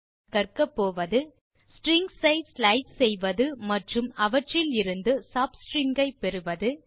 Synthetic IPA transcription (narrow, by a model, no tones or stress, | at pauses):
kɐrkɐpːoːʋɐðɯ | sʈɾɪŋɡsɐɪsslɐɪssɛjʋɐðɯmɐʈrɯmɐʋɐʈrɪlɪɾɯnd̪ɯsaːpsʈɾɪŋɡɐɪpɛɾɯʋɐðɯ